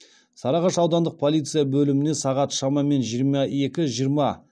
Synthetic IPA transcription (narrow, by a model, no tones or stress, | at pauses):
sɑɾɑʁɑʃɑwd̪ɑnd̪əq̚pʰo̞lˠit̪sɨjabɵlɪmɪne̞sɑʁɑt̪ʃɑmɑme̞nʒijəɾmɑe̞kʲɪʒijəɾmɑ